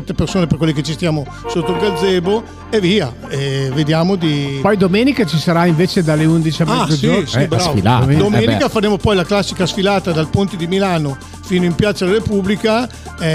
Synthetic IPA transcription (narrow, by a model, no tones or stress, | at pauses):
t̪ːepersoːneperkwelːeket͡ʃist̪jaːmo | sot̪ːolɡald̪zɛːbo | eviːa | ɛved̪jaːmod̪ipɔjd̪omeːnikat͡ʃisaɾaiɱveːt͡ʃed̪alːeund̪it͡ʃiamɛzosd͡ʒosibɾavila̰md̪omeːnikafaɾeːmopɔjlaklasːikasfilaːt̪ad̪alpont̪ed̪imilaːno | fiːnoimpjat̪salaɾepublika